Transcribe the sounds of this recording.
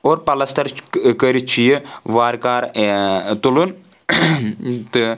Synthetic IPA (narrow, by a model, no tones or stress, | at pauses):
oːɾpɐlɐst̪ɐɾkəɾit͡ʃʰijɨʋaːɾkaːɾ | t̪ulun | t̪ɨ